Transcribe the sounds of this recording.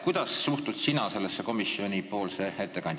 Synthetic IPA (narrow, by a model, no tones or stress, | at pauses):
kujd̪̥ɑssuht̪ud̪̥sinɑse̞lːesːeko̞misio̞nʲipo̞ːlsee̞t̪ːe̞kɑnd̪̥ʲ